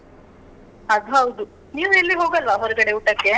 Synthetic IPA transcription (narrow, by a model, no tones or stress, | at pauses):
ɐd̪uɦɐwd̪u | niːʋuelːiɦo̞ːɡɐlʋɐɦɔɾuɡɐɽeuʈːɐkːe